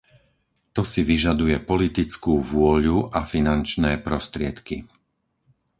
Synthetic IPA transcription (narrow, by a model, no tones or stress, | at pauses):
t̪ɔsiʋiʒad̪ujɛpɔlit̪it͡skuːʋʊɔʎuʔafinant͡ʃnɛːpɾɔst̪ɾɪɛt̪kḭ